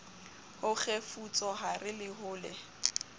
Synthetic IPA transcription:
hʊk͡xefut͡sʼɔɦarɪlɪɦʊːlɛ

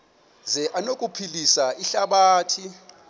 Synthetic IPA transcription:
zɛʔanokʼupʰilisaiɬaɓaːtʰi

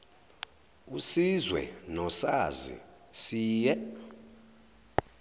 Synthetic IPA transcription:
usizwɛ̰nɔsazḭ | siːjɛ

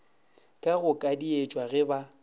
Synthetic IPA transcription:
kʼaɣʊkʼadiet͡ʃʼwaɣɛba

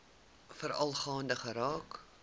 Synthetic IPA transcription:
fəɾɐlˠχɑːndəχəɾɑːk

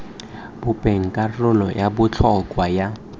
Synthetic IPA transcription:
b̥ʊpʼeŋ̩kʼarʊlɔjabʊt͡ɬʰɔkʼwaja

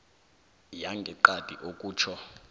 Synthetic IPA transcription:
jaŋɡʱɛǃad̥ʱiʔokʼuːt͡ʃʰɔ

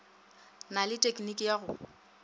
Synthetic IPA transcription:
nalɪtʼekʼnikʼijaɣʊ

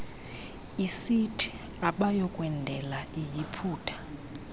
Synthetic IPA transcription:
isitʰi̥ | aɓajɔkʼwɛndʱɛlaijipʰuːtʰḁ

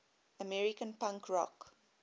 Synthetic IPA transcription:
əmɛɹikə̃npãŋkʰɹɔ̰k

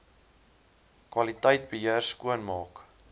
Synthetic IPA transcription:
kwɐlitəjt̚bəɦiərskuənmɑːk

